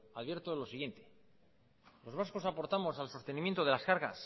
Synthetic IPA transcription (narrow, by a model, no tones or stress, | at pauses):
aðβje̞ɾt̪olo̞siɣje̞nt̪e | lo̞zβ̞asko̞sapo̞ɾt̪amo̞salso̞st̪enĩmjent̪o̞ð̞e̞laskaɾɣa̰s